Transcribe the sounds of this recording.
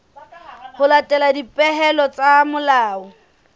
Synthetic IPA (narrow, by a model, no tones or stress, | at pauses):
hʊlatʼɛladipʼɛɦɛlɔt͡sʼamʊlaːɔ